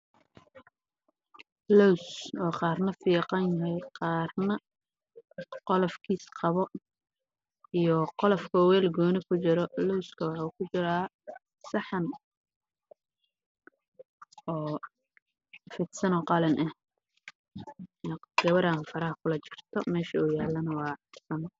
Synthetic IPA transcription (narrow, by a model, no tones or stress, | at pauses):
lɔwsɔːqɑːrnɐfiːqɑnjɐɦɛjqɑːrnɐ | qɔlɔfkʰiːsqɑβɔ | ijɔqɔlɔfkʰɔːwɛːlɡɔːnɪkʰʊt͡ʃɪɾɔlɔwskʰɐwɑħukʰʊt͡ʃɪɾaː | sɑħɑn | ɔː | fɪd̪sɐnɔːqɑlɐnʔɐh | ɛɡ̥ɐβɐɾaːfɐɾɐɦɐkʰʊlɐt͡ʃɪ̥rt̪ʰɔmɛːʃɐuːjaːlːɐnɐwɑːħɪsɐn